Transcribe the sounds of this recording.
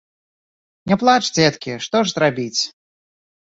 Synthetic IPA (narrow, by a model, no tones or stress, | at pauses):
nʲɛplˠat͡ʂd͡zʲɛt̪kʲiʂt̪ɔʐzɾabʲit͡sʲ